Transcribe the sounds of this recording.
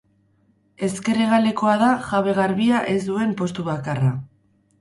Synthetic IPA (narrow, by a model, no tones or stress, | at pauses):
e̞ske̞ɾeɣ̞ale̞ko̞aðaʝaβe̞ɣaɾβiaʔe̞zd̪ue̞mpo̞st̪uβakara